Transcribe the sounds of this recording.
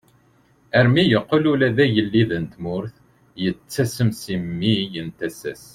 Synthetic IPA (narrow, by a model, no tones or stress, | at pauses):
æɾmijəqːəlulæðæjəlːiðənt̪mʊɾθ | jət͡sːæsəmsimːijənt̪æsæ̰s